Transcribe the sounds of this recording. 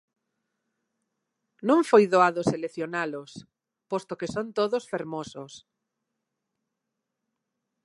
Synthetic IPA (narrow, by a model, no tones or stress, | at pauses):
nõŋfojðoaðoseleθjonalos | post̪okesont̪oðosfeɾmosʊs